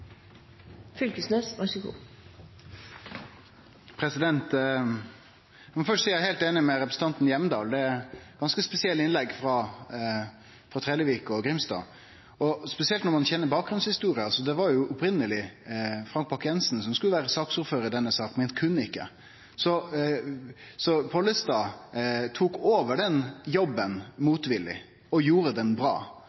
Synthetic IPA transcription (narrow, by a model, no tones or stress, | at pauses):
fʏlkəsnøːsɑsɪkʊ̰ | pʰɾɛsɪd̪ɛnt̪ | ɑmɔfœʂsiːjæɪhɛɪlt̪eːnɪmɛɾɛpɾəsən̩t̪ɑnt̪njɛmd̪ɑ̰ːld̪ɛɛɡɑnskəspɛsɪɛlɪnlɛɡfɾɑ | fɾɑt̪ʰɾɛːləʋiːkɔɡɾɪmsd̪ɑ̰ː | ɔspɛsɪɛlt̪nɔɾmɑnçɛnːəɾbɑːk̚ɡɾʉnshɪst̪uːɾɪɑsɔd̪ɛʋɑɾjʊʔʊpɾɪnːəlɪfɾɑŋk̚pʰɑɾkjɛnsn̩sɔmskʉləʋæːɾəsɑːksuːɾføːɾəd̪ɛnːəsɑːkmɛkʰʉnːəɪkːə̰ | sɔ | sɔpʰɔlːəst̪ɑːt̪ʰuːkoːʋəɖɛnjɔbːənmuːt̪ʋɪlɪ̰ | ɔjuːɾəd̪ɛnbɾɑ̰ː